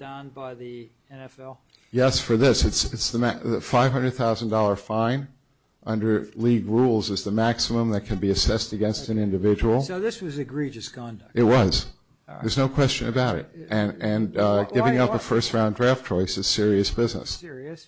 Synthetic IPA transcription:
d̥ʌ̃nbaɪði | ɛ̃nɛlˠ | jɛsfə˞ðɪsɨtsɨtsðəmðɨfaɪv̥ɦʌ̃ndɹɨd̪̚θaʊzn̩dɔlˠə˞fãɪ̃n | ʔʌ̃ndə˞liɡɹulˠzɨzðɨmæksəmə̃mðɨt̚kʰɨ̃nbiɨsɛstɨɡɛ̃nstɨ̃nɪ̃ndɨvɪd͡ʒəwl̩ˠðɪswʌzɨɡɹid͡ʒɨskʰɑ̃ndɨt̚wʌz̥ | ðə˞znoʊkʰw̥ɛst͡ʃɨ̰̃nɨbaʊɾɨ̰t̚ɨ̃nɨ̃nɡɪvɪ̃ŋʌpəfɜ˞st̚ɹãʊ̃ndɹæftt͡ʃʰɔɪsɨz̥sɪɹiɨsb̥ɪznɨ̰ss

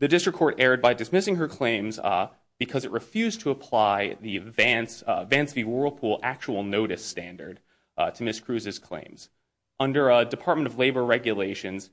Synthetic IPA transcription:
ðɨdɪstɹ̥ɨkʰːɔɹɾɛɹd̚baɪdɨsmɪsɪ̃ŋə˞kʰl̥ẽɪ̃mz | b̥ɨkʰʌzɨʔ̚ɹʔɨfjʉztʰəəpʰl̥aɪðiɨvæ̃nsvæ̃nsviwɜ˞lˠd̚pʰulˠæk̚t͡ʃəwl̩ˠnoʊɾɨstæ̃ndə˞d̥̚ | tʰɨmɪskʰɹ̥ʉzɨz̥kʰl̥ḛ̃ɪ̃mz̥ | ʔʌ̃ndə˞ədɨpʰɑɹt̚mɨ̃ɾ̃ʌvleɪbə˞ɹɛɡjɨleɪʃɨ̃nz̥

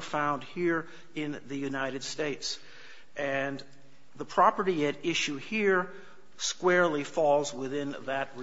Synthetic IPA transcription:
fãʊ̃nd̚hiɹ | ɪ̃nðɨjʉnaɪɾɨd̥steɪts | ʔɨ̃n | ðəpʰɹ̥ɑpə˞ɾiɨɾɪʃʉhiɹ | skwɛɹlˠifɔlˠzwɪθɪ̃nðɨt̚

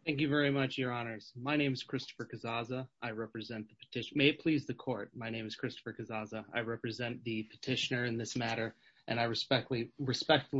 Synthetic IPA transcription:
θæ̃ŋk̬jɨvɛɹimʌt͡ʃjə˞ɑnə˞z̥maɪñẽɪ̃mɨz̥kʰɹ̥ɪstə̥fə˞kɨzɑzəʔaɪɹɛpɹɨzɛ̃nðəpʰə̥tʰɪʃmeɪɨt̚pʰl̥izðɨkʰɔɹt̚maɪñẽɪ̃mɨz̥kʰɹ̥ɪstə̥fə˞kʰɨzɑzəa̰ɪɹɛpɹɨzɛ̃nðɨpʰɨ̥tʰɪʃɨnə˞ɨ̃nðɪsmæɾə˞ | ʔɨ̃ñaɪɹɨspɛk̚liɹɨspɛk̚tfl̩

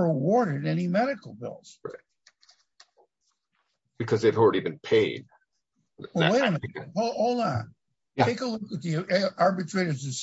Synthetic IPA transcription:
əwɔɹɾɨɾɛnimɛɾɨkl̩ˠbɪ̰lˠz̥ɹaɪt̚ | b̥ɨkʰʌzðeɪvl̩ˠɹɛɾivɨ̃npʰeɪd̥̚ | wɛlˠweɪɾə̃nhoʊoʊlˠnæt̚ʰ | eɪkəlʊkɨt̪̚ðiɑɹbɨtʰɹ̥eɪɾə˞zɨs

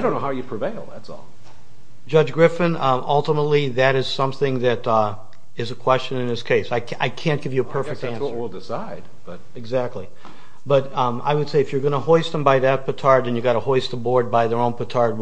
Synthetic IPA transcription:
aɪdõʊ̃nːoʊhaʊjɨpʰɹ̥ɨveɪlˠðæ̰tsɔ̰l̥ˠ | d͡ʒʌd͡ʒɡɹɪfɨ̃nʌlˠtəmətˡliðɨɾɨz̥sʌ̃mθɪ̃ŋðɨɾ | ɨzɨkʰw̥ɛst͡ʃɨ̃nɨ̃nðɪskʰeɪsaɪaɪkʰæ̃nɡ̥ɪvjɨːpʰɜ˞fɨk̚tæ̃nsə˞ɪlˠdɪsaɪd̚b̥ʌt̚ɨɡzæk̚tʰˡli | b̥ʌɾa̰ɪwɨd̥seɪɨfjə˞ɡʌñəhɔɪst̪ðə̃mbaɪðɨt̚pʰɨtʰɑɹd̪̚ðɨ̃njɨɡɑɾəhɔɪst̪əbɔɹd̚baɪðə˞õʊ̃npʰɨtʰɑɹd̚

